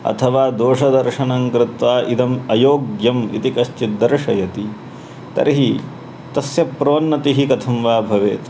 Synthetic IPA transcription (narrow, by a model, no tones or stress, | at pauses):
ɐ̰t̪ʰɐʋaːd̪oːʂɐd̪ɐɾʂɐnɐŋkɾɪt̪ʋaːʔid̪ɐmɐjoːɡjɐmḭt̪ikɐʃt͡ʃid̪ɐɾʂɐjɐt̪i | t̪ɐ̰ɾɦi | t̪ɐsjɐpɾoːnːɐt̪iɦikɐt̪ʰɐmʋaːbʱɐʋeːt̪